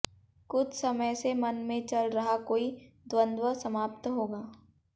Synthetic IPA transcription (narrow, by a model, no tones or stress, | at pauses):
kʊt͡ʃʰsɐməjsemɐnmẽt͡ʃɐlɾɐɦakoːi | d̪wə̃nd̪wəsɐmaːpt̪ɦoːɡaː